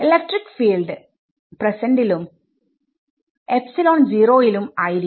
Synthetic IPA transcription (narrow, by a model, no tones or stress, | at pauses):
elɐk̚ʈrikːfiːlɖɨ | prɐsɐɳɖilum | epsiloːnd͡ʑiːroːjilumaːjiɾi